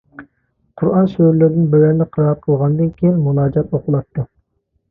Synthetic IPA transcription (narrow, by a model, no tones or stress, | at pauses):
qʰuɾɑnʃøɾlɪɾd̪ɪnbøwɛnlɪqʰəɾɑɾqʰəlˠʁɑnɨd̪ɨnkʲʰejinmulˠɑːd͡ʒɑt̪oqʰʊlˠɑt̪ʰːu